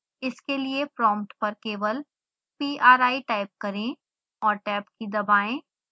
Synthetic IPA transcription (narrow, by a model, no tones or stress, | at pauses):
ɪskeliepɾɔ̃ːmʈpɐɾkeːwəl | piːʔaːɾaːiʈaːɪp̚kɐɾẽ | ɔːɾʈɛːpkid̪ɐbaːẽ